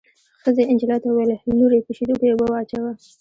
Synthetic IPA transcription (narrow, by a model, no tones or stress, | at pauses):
xəzeɪnd͡ʒɪlɑt̪awwelenuɾepuʃid̪ukojebawat͡ʃawa